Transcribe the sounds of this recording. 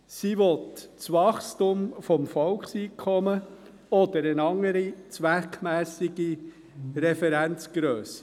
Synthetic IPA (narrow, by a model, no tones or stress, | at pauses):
siʋɔt̪t͡sʋɑχstumfɔmfɔlksiːkʰɔmə | ɔd̪əɾənɑŋːəɾit͡sʋækʰmæːsiɡ̥i | ɾɛfɛɾænt͡sɡ̥ɾøːsə̥